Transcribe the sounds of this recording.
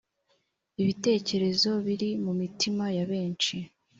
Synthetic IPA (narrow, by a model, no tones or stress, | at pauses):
iβite̞ːce̞ɾe̞zo̞βiɾimumitimajaβe̞ːnt͡ʃi